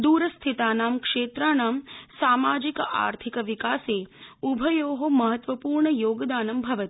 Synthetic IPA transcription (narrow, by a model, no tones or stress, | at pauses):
d̪uːɾɐst̪ʰit̪aːnaːmkʂeːt̪ɾaːnaːmsaːmaːd͡ʒikɐʔa̰ːɾt̪ʰikɐʋikaːseːubʱɐjoːɦomɐɦɐt̪ʋɐpuːɾɳɐjoːɡɐd̪aːnɐmbʱɐʋɐt̪i̥